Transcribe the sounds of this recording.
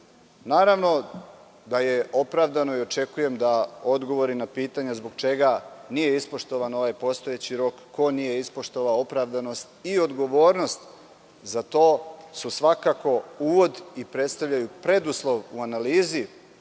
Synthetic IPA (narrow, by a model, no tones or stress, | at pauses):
naːɾaʋno̞ | d̪aje̞ʔo̞pɾaʋd̪ano̞io̞t͡ʃe̞kuje̞md̪ao̞d̪ɡo̞ʋo̞ɾinapiːt̪aɲazbo̞ɡt͡ʃe̞ɡanije̞ispo̞ʃt̪oʋano̞ʋajpo̞st̪o̞jet͡ɕiɾo̞kːo̞nije̞ispo̞ʃt̪oʋao̞pɾaʋd̪ano̞st̪io̞d̪ɡo̞ʋo̞ːɾno̞st̪ | zat̪o̞ːsusʋakako̞uːʋo̞d̪ipɾe̞t̪st̪aʋʎajupɾe̞d̪uslˠo̞ʋuanaliːzi